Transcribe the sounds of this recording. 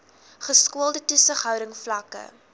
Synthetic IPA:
χəskuəlˠdətusəχɦœwɾəŋflɐkə̰

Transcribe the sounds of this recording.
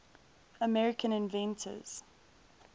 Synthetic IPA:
əmɛɹɪkʰə̃nɪ̃nvɛ̃ntʰə̰z̥

